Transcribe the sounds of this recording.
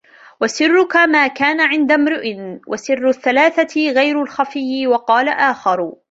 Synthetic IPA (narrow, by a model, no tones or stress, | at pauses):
wasɪrːʊkamaːkaːnaʕɪnd̪amɾʊʔɪnwʔa̰sɪrːʊθːalaːθaɣajɾalxafɪjːɪwɑqɑːlaʔaːxɑɾˤ